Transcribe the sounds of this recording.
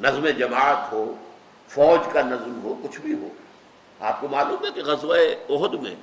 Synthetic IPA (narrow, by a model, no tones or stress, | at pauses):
nɐzmẽd͡ʒɐmaːt̪ɦoː | fɔːd͡ʒkanɐzmɦoːkʊt͡ʃʰbʱiɦo̰ː | a̰ːp̚komaːluːmɦɛkeɣɐzʋaeɔɦʊd̪mḛ̃ː